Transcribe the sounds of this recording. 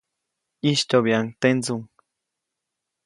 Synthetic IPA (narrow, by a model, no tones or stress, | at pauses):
iʃt̪oβjaŋt̪enzuŋ